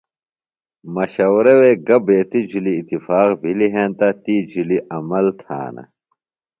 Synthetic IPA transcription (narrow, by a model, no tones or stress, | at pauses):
mɐɕɐwɾeweːɡɐbeːt̪id͡ʑʱuliːt̪ːifaːqbʱiliɦẽːnt̪ɐt̪id͡ʑuliʔɐmɐlt̪ʰa̰ːnɐ̰